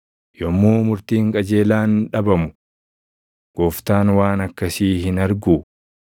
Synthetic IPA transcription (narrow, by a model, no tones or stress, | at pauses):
jɔmːoːmʊɾt̪iːŋkʼɐd͡ʒe̞ːlaːnᶑɐbɐmʊ | ɡ̥oːft̪aːnwaːnɐkːɐsiːɦɪnɐɾɡuː